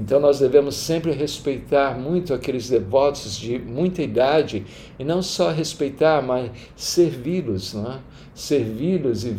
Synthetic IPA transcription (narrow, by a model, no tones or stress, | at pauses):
ẽnt̪ɐ̃w̃nɔzd̪evẽmʊsːẽmpɾɪɦespejt̪aɾmũj̃t̪ʊakelɪzd̪evɔt̪ʊzd͡ʒɪmũj̃t̪ɐid̪ad͡ʒɪ | ɪnɐ̃w̃sɔɦespejt̪aɾmas | seɾvilʊsnɛ̃ | seɾvilʊzɪ